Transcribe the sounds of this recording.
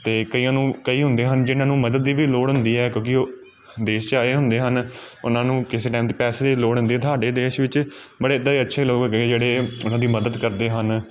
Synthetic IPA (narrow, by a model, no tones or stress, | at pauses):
t̪eːkəiːjãːnũːkəiːɦʊnd̪eːɦənd͡ʒɪnãːnũːməd̪əd̪ːiːʋiːloːɽɦʊnd̪iːɛːkjõːkɪoː | d̪eːʃt͡ʃaːeːɦʊnd̪eːɦənʊ̰nãːnũːkɪseːʈaːmd̪iːpɛːseːd̪iːloːɽʊnd̪iːɛːt̪ʰaːɖeːd̪eːʃʋɪt͡ʃ | bəɽeːd̪aːiːətːʃʰeːloːkːɡed͡ʒeːɽeːʊnãːd̪iːməd̪əd̪kəɾd̪eːɦən